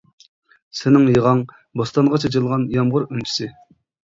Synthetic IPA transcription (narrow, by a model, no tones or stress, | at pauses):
sɪnɪŋjəʁɑŋ | bost̪ɑnʁɑt͡ʃʰet͡ʃɨlˠʁɑnjɑmʁʊɾynt͡ʃʰi̥sɪ